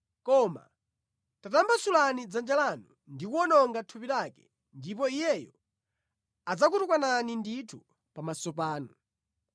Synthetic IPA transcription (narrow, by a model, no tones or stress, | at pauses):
kɔma̰ | tatambasulanid͡zand͡ʒalanu | ndikuɔnɔŋɡatʰupilakɛ | ndip̬ɔijɛjɔ | ad͡zakutukwananinditʰu | pamasɔp̬aːnu